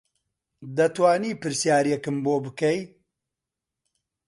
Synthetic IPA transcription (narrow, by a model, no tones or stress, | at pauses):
d̪ɐt̪waːniːpɨɾsjaːɾijɛkɨmboːbɨkɐj